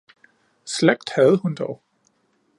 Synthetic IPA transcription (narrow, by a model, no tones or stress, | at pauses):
sleɡ̥̚d̥hæð̩ˠhund̥ɒʊ